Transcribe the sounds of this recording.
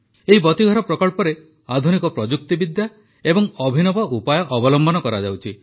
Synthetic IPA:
eɦibɔt̪iɡʱɔɾɔpɾɔkɔɭpɔɾe | ad̪ʱunikɔpɾɔd͡ʒuk̚t̪ibid̪ja | ebɔŋɔbʱinɔbɔʔupajɔʔːbɔlɔmbʱɔnɔkɔɾad͡ʒa̰wt͡ʃʰi

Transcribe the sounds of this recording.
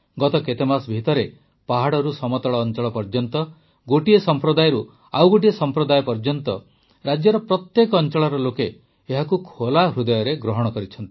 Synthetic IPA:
ɡɔt̪ɔket̪emasbʱit̪ɔɾe | paɦaɽɔɾusɔmɔt̪ɔɭɔːnt͡ʃɔɭɔpɔɾd͡ʒɔnt̪ɔ | ɡoʈiesɔmpɾɔd̪ajɔɾu | awɡoʈiesɔmpɾɔd̪ajɔpɔɾd͡ʒɔnt̪ɔ | ɾad͡ʒjɔɾɔpɾɔt̪jekɔːnt͡ʃɔɭɔɾɔlokeː | ɦakukʰolaɦɾud̪ɔjɔɾeɡɾɔɦɔɽ̃ɔkɔɾit͡ʃʰɔnt̪i̥

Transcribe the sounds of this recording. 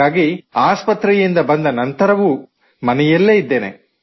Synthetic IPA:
aːɡiaːspɐt̪ɾɛjind̪ɐbɐnd̪ɐnɐnt̪ɐɾɐʋu | mɐnɛjɐlːeːid̪ːe̞ːnḛ

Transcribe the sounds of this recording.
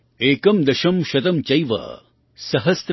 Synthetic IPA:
eːkɐmd̪ɐʃɐmʃɐt̪ɐmt͡ʃɐjʋɐ̰ | sɐɦɐst̪

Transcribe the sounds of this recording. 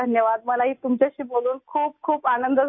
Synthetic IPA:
ənjəʋad̪̚məlaɦiːt̪umt͡ɕjaɕiːboluːnkʰuːp̚kʰuːpanənd̪ʱə

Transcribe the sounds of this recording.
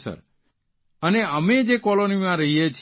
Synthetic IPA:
sə̰ɾ | əneəmed͡ʒekɔlonimãɾəɦijet͡ʃʰ

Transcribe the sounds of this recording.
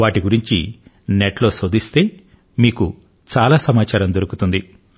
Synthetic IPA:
ʋaːʈiɡuɾiɲt͡ʃḭ | neʈlo̞ːsoːd̪ist̪e̞ː | miːku | t͡ʃaːlaːsɐmaːt͡ʃaːɾɐmd̪oɾukut̪und̪i

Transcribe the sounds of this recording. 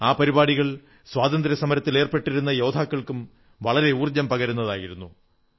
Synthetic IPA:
aːpɐɾibaːɽiɣɐɭ | swaːd̪ɐnd̪ɾɐsɐmɐɾɐt̪ːileːrpe̞ʈːiɾunːɐjo̞ːd̪ʰʱaːkːɐɭkum | ʋɐɭɐɾe̞uːrd͡ʑɐmpɐɣɐɾunːɐðaːjiɾunːu

